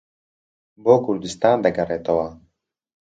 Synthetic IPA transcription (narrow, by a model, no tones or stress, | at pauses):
boːkuɾd̪ist̪aːnd̪ɐɡɐɾet̪owa